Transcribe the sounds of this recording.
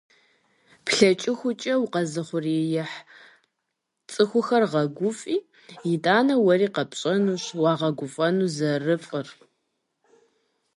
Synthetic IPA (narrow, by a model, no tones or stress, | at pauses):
pʰɬɐt͡ʃʼɪxʷʊt͡ʃʼɐwqɐzɨχʷʊrijɪħ | t͡sʼɨxʷʊxɐrʁɐɡʷʊfʼiː | jɪdʼaːnɐwɐriːqɐpɕʼɐnuːɕwɑːʁɐɡʷʊfʼɐnuːzɐrɨfʼər